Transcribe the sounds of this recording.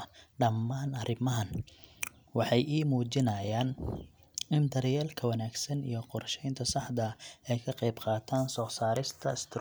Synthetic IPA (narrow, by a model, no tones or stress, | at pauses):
ɖɐmːaːnɐɾɪmɐɦɐn | wɑħɑjiːmuːt͡ʃɪnɐjaːn | ɪnd̪ɐɾjɛːlkʰɐwɐnaːɡsɐnḭjɞqɔrʃɛjnt̪ʰɐsɑħd̪ɐɛjkʰɐqɛjbqɑːt̪ʰaːnsɔːsaːɾɪst̪ʰɐɪst̪ʰɪ